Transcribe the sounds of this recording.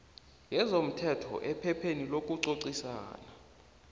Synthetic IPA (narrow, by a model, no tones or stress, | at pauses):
ŋʱɛzom̩tʰɛtʰɔ̰ʔɛpʰɛpʰenilokʼuǀoǀisa̰ːna